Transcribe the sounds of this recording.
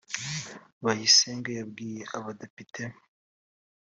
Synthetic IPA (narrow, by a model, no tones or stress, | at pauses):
βahiseŋɡajabɡiːjeʔaβadepitʰe